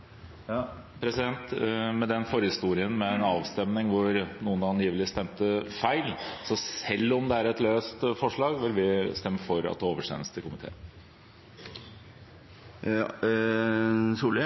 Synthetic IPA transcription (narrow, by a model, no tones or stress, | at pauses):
pʰɾɛsɪd̪ɛnt̪mɛd̪ɛnfɔɾəhɪst̪uːɾɪənmɛnɑːʋst̪ɛmnɪŋʋʊɾnuːənɑnjiːʋəlɪst̪ɛmt̪əfæɪlsɔsɛlːɔmd̪ɛæːɾɛt̪løːst̪fɔʂɭɑːɡʋɪlʋɪst̪ɛmːəfɔɾɑ̰t̪̚d̪ɛoːʋəʂḛːnlst̪ʰɪlkʰʊmɪt̪ʰḛː | suːlə